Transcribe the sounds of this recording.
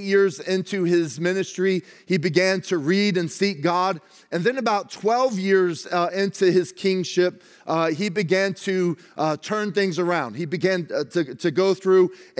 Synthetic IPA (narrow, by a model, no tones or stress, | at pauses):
jɪɹzɪ̃ntʰʉɪzmɪ̃nɨstɹ̥i | ibɨɡæ̃ntʰɨɹiɾɨ̃nsik̚ɡ̥ɑɾ | ɨ̃nðɨ̃nɨbaʊtʰw̥ɛlˠvjɪɹzɪ̃ntʰʉɪz̥kʰɪ̃ŋʃɪp̚ | ibɨɡæ̃ntʰɨ | tʰɜ̃˞nθɪ̃ŋzə˞ãʊ̃nd̚ibɨɡæ̃ntʰɨtʰɨɡoʊθɹʉ